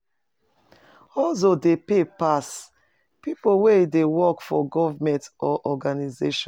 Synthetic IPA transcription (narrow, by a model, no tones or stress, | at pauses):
ɔls̬odepepas | pipoweidewɔkfɔɡɔvamɛ̃ntɔʔɔɡanizeʃɔ̃